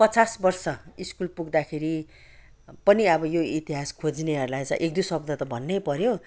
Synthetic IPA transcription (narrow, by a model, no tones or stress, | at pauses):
pʌt͡sasbʌrsʌiskulpuɡd̪akʰeɾi | pʌniʌbʌjoit̪iɦaskʰod͡zneɦʌɾulajt͡sʌ̃ʔek̚d̪usʌb̚d̪ʱʌt̪ʌbʱʌnːejpʌɾjõ